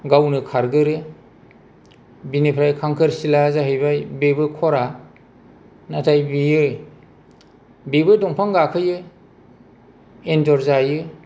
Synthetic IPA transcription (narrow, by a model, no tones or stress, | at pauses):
ɡawnɯkʰaɾɡɯɾɯ | binipʰɾajkʰaŋkʰɯɾsilazaɦɯjbajbebɯkʰɔɾa | natʰajbijɯ | bebɯdɔŋpʰaŋɡakʰɯjɯ | endɔɾzajɯ